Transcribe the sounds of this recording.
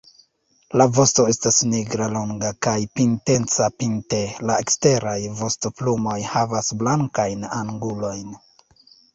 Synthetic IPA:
lavo̞sto̞e̞stasniɡɾaloŋɡakajpinte̞nt͡sapinte̞lae̞kste̞ɾajvo̞stoplumo̞jhavasblaŋkajnaŋɡulo̞jn

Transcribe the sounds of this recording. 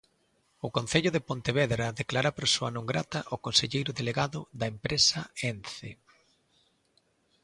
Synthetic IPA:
ʊkonθeʎʊðɪpont̪eβɛðɾɐðeklaɾapɾosoanõŋɡɾat̪ɐʔokonseʎejɾʊðeleɣaðʊðɐempɾesɐenθe

